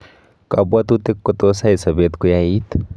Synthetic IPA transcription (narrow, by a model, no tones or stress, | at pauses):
kɐbat̪ut̪ekːot̪osaisɐbet̪kujait̪